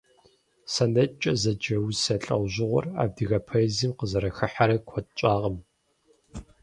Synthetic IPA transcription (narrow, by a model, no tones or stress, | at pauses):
sɐnɐt͡ʃʼɐzɐd͡ʒɐwsɐɬʼɐwʑɪʁʷɔ̰ra̰ːb̚dɨɣɐpʰɐziːmqəzɐɾɐxɨħaɾɐkʷʰɔtt͡ʃʷʼaːʁɐm